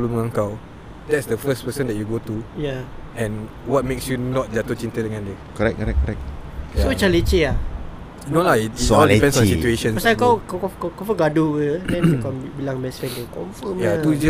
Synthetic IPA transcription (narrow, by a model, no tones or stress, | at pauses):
luməŋãŋkaw | dɛtsdəfəspəsə̃ndɛt̚juɡotujaɛ̃n | wɔt̚meksjunɔt̚d͡ʒat̪ot͡ʃĩnt̪ədəŋãndɛ | kɔɾɛk̚kːɔɾɛk̚kːɔɾɛk̚sot͡ʃalet͡ʃea | junolaitiɔlipɛ̃nsɔ̃nsitueʃə̃npasakawkakɔkkɔfəɡaduədɛ̃njukambilãŋmɛsfɛk̚ɛkɔ̃ɱfəmjatud͡ʒə